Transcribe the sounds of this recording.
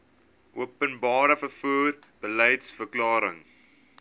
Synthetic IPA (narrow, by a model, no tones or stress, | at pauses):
ʔuəpənbɑːɾəfərfuːrb̥əlɛjtsfərklɑːɾə̰ŋ